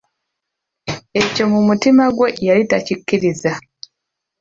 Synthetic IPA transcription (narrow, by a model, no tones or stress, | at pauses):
e̞co̞mumutimaɡwe̞jalitacikːiɾiza